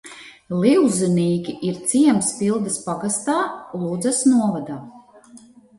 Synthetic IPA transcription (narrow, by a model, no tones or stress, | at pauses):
lˠiwzɨniːkʲiʔiɾt̪siɛmsfilˠd̪ɐspaɡast̪aːlˠuːd̪zɐsnuɔvad̪aː